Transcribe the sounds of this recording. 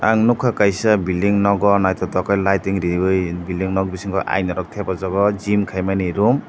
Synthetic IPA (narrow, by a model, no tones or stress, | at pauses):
aŋnukʰakajsabiliŋnɔɡɔnajtʰɔtɔkʰɔjlajtiŋɾibɯjbiliŋnɔk̚bisiŋkʰɔjʔa̰jnɔɾɔk̚tʰebazɔɡɔd͡ʒimkʰajmaniɾum